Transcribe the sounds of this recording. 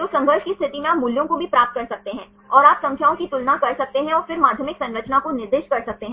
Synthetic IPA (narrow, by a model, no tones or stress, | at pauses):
d͡ʒoːsɐ̃ŋɡəɾʃkist̪ʰɪʈimẽaːpmʊljõkobʱipɾaːp̚t̪̚kɐɾsɐk̚t̪eɦɛ̃ː | ɔːɾaːpsɐ̃ŋkʰjaːõkit̪ʊlnakɐɾsɐk̚t̪eɦɛ̃ɔːɾfɪɾmaːd̪ʱjəmɪksɐ̃nɾət͡ʃnakonɪɾd̪eːʃkɐɾsɐk̚t̪eɦɛ̃ː